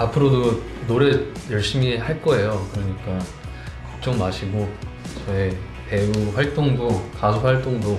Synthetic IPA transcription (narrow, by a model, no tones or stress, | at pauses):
apʰɯɾodo | noɾe̞jʌɭɕ͈imihaɭk͈ʌe̞jokɯɾʌɲik͈a | kʌ̥k̚t͡ɕ͈ʌŋmaɕʰiɡot͡ɕʌe | e̞uɸwaɭt͈oŋdokasʰoɸwaɭt͈oŋdo